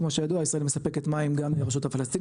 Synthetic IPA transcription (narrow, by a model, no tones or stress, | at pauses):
kmo̞ʃejaduaisʁaelmesapeket̪maimɡamleʁeʃutafalest̪i